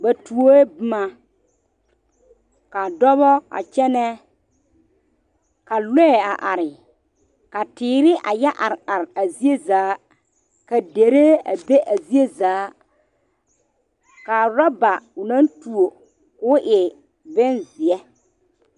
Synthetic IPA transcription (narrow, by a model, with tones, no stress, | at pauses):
ba˨tu˨o˦e˦bɪ˦ma˦ | ka˨dɔ˦βɔ˦a̰˨t͡ʃɛ˦nɛ˦ | ka˨lɛ˦ɛ˨a˨ʔa˨ɾɪ˨ | ka˨tɪː˨˦ɾɪ˦ʔa̰˨jɛ˦ʔa˨ɾa˨ɾa˨zi˦e˦zaː˨˦ | ka˨de˨ɾe˦a̰˨be˦ʔa˨zi˦e˦zaː˨˦ | ka˨ɾɔ˦ba˨ʊ˨nã˦ntu˨o˨ | kʊ˦ʔɪ˨ | bɪ˦nzɪ˨ɛ˦